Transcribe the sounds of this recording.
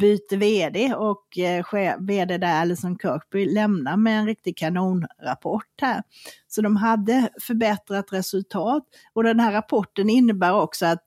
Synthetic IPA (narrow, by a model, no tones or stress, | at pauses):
byːt̪əveːd̪eːɔkɧeːveːd̪eːd̪æɛlːəsɔnkʰœːkbʏlɛmnamɛːnɾɪk̚t̪ɪɡ̚kʰanuːnɾa̰pʰɔʈːhæːɾsɔd̪ɔmɦad̪ːəfœɾbɛt̪ɾat̪ɾɛsɵlt̪ʰɑːt̪ | ɔd̪ɛnɦæːɾapʰɔʈːənɪnːəbæːɾɔksɔat̪